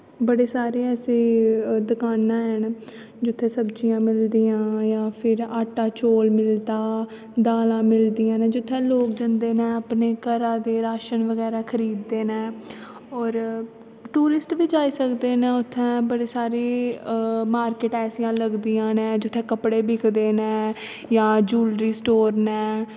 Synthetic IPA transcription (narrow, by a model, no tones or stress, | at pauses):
bəɽeːsaːɾeːɛːseːd̪əkaːnãːɦən | d͡ʒʊt̪ʰːẽːsəbt͡ʃijãːmɪld̪iːjãːjãːpʰɪɾaːʈːaːt͡ʃoːlmɪlt̪aː | d̪aːlãːmɪld̪iːãːnẽːd͡ʒɪt̪ʰːɛ̃ːloːk̚d͡ʒənd̪eːnɛ̃ːəpneːkəɾãːd̪eːɾaːʃənʋəɡɛːɾaːkʰəɾiːd̪ːeːnɛ̃ː | ɔːɾ | ʈuːɾɪsʈʋiːd͡ʒaːiːsəkd̪eːnɛ̃ːʊt̪ʰːɛ̃ːbəɽeːsaːɾeː | maːɾkɪʈɛːsijãːləɡd̪iːãːnɛ̃ːd͡ʒʊt̪ʰːɛ̃ːkəpɽeːbɪkʰd̪eːnɛ̃ː | jãːd͡ʒuːlɾiːsʈoːɾnɛ̃ː